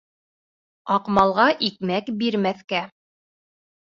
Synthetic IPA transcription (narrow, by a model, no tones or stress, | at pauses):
ɑqmɑlˠʁɑʔikmækbiɾmæθkæ